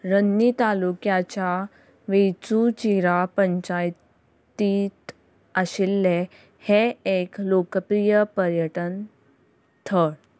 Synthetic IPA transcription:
ɾənːit̪alukjat͡ɕja | ʋet͡sut͡ɕiɾapəɲt͡ɕaj | t̪it̪ | əɕilːe | heeklokəpɾijəpəɾjəʈən | t̪ʰəɽ

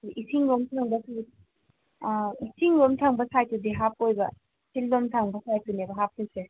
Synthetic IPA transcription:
diʔisʰiŋɾomtʰaŋbɐsu | isʰiŋɾomtʰaŋbɐsajtudiɦap̚ojbɐ | sildomtʰaŋbɐsajtunebɐɦap̚tese

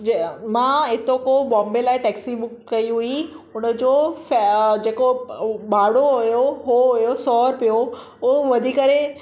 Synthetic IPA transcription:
d͡ʑemãɪt̪okobɔ̃ːmbelaːɪʈɛːksibʊkkːɐiɦui | ʊnəd͡ʑoːfd͡ʑeːkoɓaːɽoɦʊjoɦooʊjosɔːɾpijo | ʊoʋɐd̪ʱikəɾe

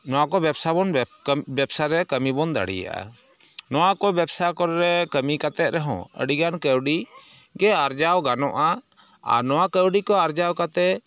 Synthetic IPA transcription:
nɔwakɔbɛbsabɔnbɛbsaɾɛkəmibɔnd̪a̰ɽḭja̰ʔa̰ | nɔwakɔbjɛbsakɔɾɾɛkəmikat̪ɛt̪̚ɾɛɦɔ̰̃ə̰ɖiɡankəwɖi | ɡɛaɾd͡ʒawɡanɔʔa | a̰ɾnɔwakəwɖikɔaɾd͡ʒawkat̪ɛ

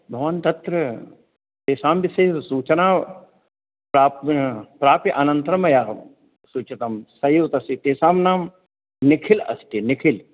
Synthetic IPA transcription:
bʱɐʋant̪ɐt̪ɾɐ | t̪eːsaːmbiseːsuːt͡ʃɐnaː | pɾaːppɾaːpiʔɐnɐ̃nt̪ɾɐmɐjaː | suːt͡ʃɐt̪ɐmsɐjuːt̪ɐsit̪eːsaːmnaːm | nɪkʰilɐ̰sʈinɪkʰil

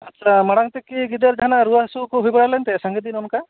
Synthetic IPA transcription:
at̪ːʃʰamaɽaŋt̪ekiɡid̪eɾd͡ʒ̪ʱanaɾuaɦsukuɦujbaɽalɛnt̪ɛsaŋɡed̪inɔnka

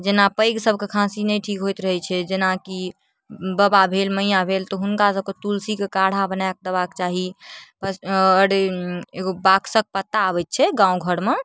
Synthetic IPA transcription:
d͡ʒenapəjɡsəbʱkekʰãsinəjʈʰikɦojt̪ɾəɦɛt͡ʃʰɛd͡ʒenaki | bəbabʱelməjãbʱelt̪ɔɦunkasəb̚ket̪ulsikekaɽ̤abənajk̚d̪əbakt͡ʃaɦipəəɽeeɡobaksək̚pət̪ːaːβɛt̪̚t͡ʃʰɛɡãũɡʱəɽme

